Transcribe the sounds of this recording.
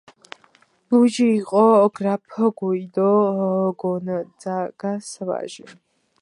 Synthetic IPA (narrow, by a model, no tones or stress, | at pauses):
lud͡ʒiːqʼɔɡrapʰəɡɔid̪ɔɦɡɔnəd͡zaɡ̥asəva̰ʒi